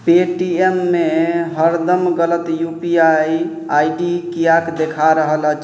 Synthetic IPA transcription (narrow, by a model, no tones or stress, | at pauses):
peʈiemːeɦəɾd̪əmɡələt̪jupiaj | ajɖikijakd̪ekʰaɾəɦələt͡ʃʰ